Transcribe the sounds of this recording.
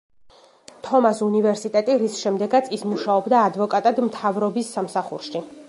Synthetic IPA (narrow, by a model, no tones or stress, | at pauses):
t̪ʰɔmasunivɛɾsit̪ʼɛt̪ʼiɾisʃɛmd̪ɛɡat̪sʰismuʃaɔbd̪aːd̪vɔkʼat̪ʼad̪mt̪ʰavɾɔbisːamsaχṵɾʃi